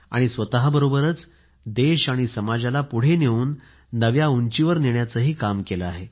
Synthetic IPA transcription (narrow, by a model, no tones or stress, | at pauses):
a̰ɽ̃isʋət̪aɦabəɾobəɾət͡s | d̪eɕaɽ̃isəmad͡ʑalapuɽ̤eneʋuːnː | əʋjauɲt͡ɕiʋəɾneɳjat͡səɦiːkamkeləaɦe